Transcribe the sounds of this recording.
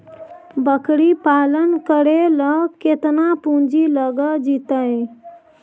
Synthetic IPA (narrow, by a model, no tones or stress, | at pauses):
bəkɽipalənkəɽeləket̪napũɲd͡ʒiləɡəd͡ʒit̪əj